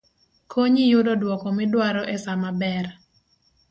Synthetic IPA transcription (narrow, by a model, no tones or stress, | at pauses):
kʰoɲijʊdɔdwɔkɔmɪdwaɾɔʔɛsamabɛr